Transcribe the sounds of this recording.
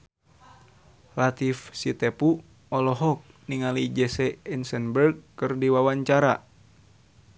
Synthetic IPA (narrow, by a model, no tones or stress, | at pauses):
lat̪ifsit̪ɛpu | ɔlɔɦɔk̚ | niŋalid͡ʒɛsɛɛnsənbərɡkɨrdiwawaɲt͡ʃaɾa